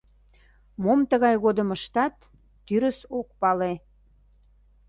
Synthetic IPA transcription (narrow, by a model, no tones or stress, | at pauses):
momt̪əɣɑjɣod̪əməʃt̪ɑt̪ː | yɾəsok̚pɑle